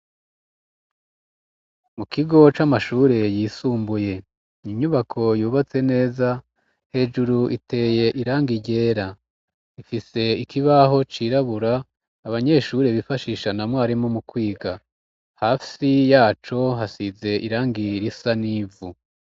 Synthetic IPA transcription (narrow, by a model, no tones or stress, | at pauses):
mukiɡo̞t͡ʃamaʃuːɾe̞jiːsuːmbuje̞ | niɲuβakʰo̞juːβat͡se̞ne̞ːza | he̞ːd͡ʒuɾuʔite̞ːje̞ʔiɾaːŋɡiɟe̞ːɾa | ifise̞ikʰiβaɦo̞t͡ʃiɾaβuɾaː | βaɲe̞ːʃuːɾeβifaʃiːʃanamwaːɾimomukwiːɡa | haːsijaːt͡ʃo̞ɦasize̞ʔiɾaːŋɡiɾisaniːvu